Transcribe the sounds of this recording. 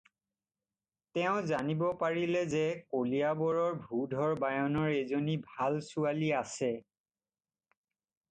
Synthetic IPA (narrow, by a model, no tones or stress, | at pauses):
tɛʊ̃zanibɔpaɹilɛzɛkolijabɔɹɔɹbʱudʱɔɹbajɔnɔɹezonibʱalsualiasɛ